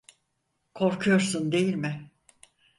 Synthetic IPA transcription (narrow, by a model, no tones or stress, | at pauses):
kʰo̞ɾkʰujoɾsund̪e̞jilʲmɪ